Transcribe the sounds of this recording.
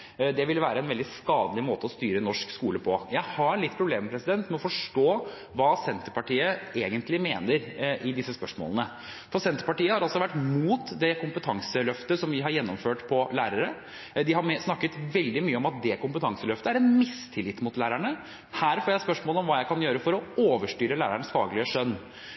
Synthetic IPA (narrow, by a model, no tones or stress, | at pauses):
d̪ɛʋɪlʋæːɾəɛnʋɛld̪ɪskɑːd̪əlɪmoːt̪əɔst̪yːɾənɔʂkskuːləpʰɔjæɪhɑɭɪt̪ːpʰɾʊbleːmɛpɾɛsɪd̪ɛnt̪mɛɔfɔʂʈoː | ʋɑːsɛnt̪əpɑʈiːəeːɡənt̪lɪmeːnəɾʔɪd̪ɪsːəspœʂmo̰ːlənə | fɔɾsɛnt̪əɾpɑʈiːəhɑɾɑlsɔʋæʈːmuːt̪d̪ɛkʰʊmpət̪ʰɑŋsəlœft̪əsɔmʋɪɦɑɾjɛnːɔmføːʈpʰɔlæːɾəɾə | d̪ɪhɑɾmsnɑkːət̪ʋɛld̪ɪmyːəɔmɑt̪̚d̪ɛkʊmpət̪ʰɑŋsəlœft̪əæɾɛnmɪst̪ʰɪlɪt̪ːmʊt̪læːɾæɳə | hæːɾfoːjæɪspœʂmoːləɔmʋɑːjæɪkʰɑnjøːɾəfɔɾɔoːʋəʂʈyːɾəlæːɾæɳsfɑ̰ːɡlɪəʂœnː